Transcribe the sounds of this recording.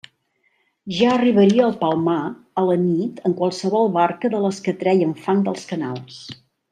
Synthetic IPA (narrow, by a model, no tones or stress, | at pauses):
ʒaəriβ̞əɾiəːlˠpalˠmaələnit̪əŋkwalˠsəβɔlˠβaɾkəðələskət̪ɾɛjəɱfaŋd̪əlˠskəna̰lˠs